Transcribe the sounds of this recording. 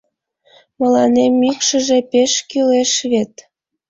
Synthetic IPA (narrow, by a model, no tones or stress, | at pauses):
məlɑnemːykʃə̆ʒĕpeʃkyleʃβet̪